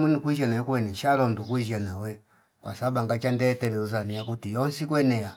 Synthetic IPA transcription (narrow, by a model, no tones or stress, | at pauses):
munikwiʃanaɔkuwɛniʃalɔm̩dukwiʒanawɛ | kwa̰sabaŋɡat͡ʃandɛtɛlɛuzaniakutijɔnsikwɛnɛja